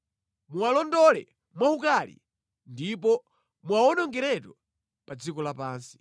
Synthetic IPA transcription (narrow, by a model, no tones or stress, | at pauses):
mualɔndɔlɛ | mwahukalḭ | ndipɔ | muaɔnɔŋɡɛɾɛtɔ | pad͡zikɔlapaːnsi̥